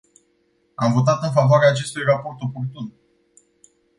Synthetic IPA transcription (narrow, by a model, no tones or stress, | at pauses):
amvo̞t̪at̪ɨnfavoaɾeaːt͡ʃe̞st̪ujrapo̞rt̪o̞po̞rt̪un